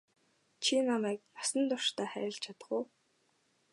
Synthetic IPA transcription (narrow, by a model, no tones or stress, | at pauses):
t͡ɕʰinamæːk̚j̪ɔsə̆nt̪ʊrʃt̪aːχæ̰ːɾʲɪ̆ɬt͡ɕʰat̪ə̆χuː